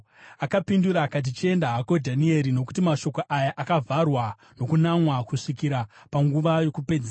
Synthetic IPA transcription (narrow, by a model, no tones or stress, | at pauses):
akapinduɾaːkat̬it͡ʃeendaɦako̞dʱanie̞ɾino̞k̬u̥timaʃo̞koʔajaʔakavʱarwa | no̞kunamwakuʂikiɾa | paŋɡuʋajo̞kupe̞d͡zea